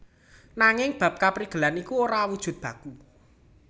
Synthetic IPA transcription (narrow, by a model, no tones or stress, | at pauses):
naŋɪŋb̥ä̤p̚kapɾiɡ̥ə̤lanikuoɾawud̥ʒ̥ṳt̪̚b̥ä̤ku